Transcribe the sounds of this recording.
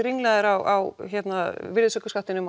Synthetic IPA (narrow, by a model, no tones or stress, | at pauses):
ɾiŋlɛːðɪɾawawçɛt̪navɪɾðsœkaskaht̪ɪnʏm